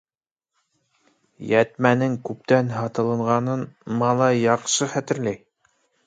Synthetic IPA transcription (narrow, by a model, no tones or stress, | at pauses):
jæt̪mænɘŋkʉp̚t̪ænɦɑt̪ɤ̆lˠɤ̆ɴʁɑnɤnmɑlˠɑjːɑqʃɤχæt̪ɘ̆ɾlæj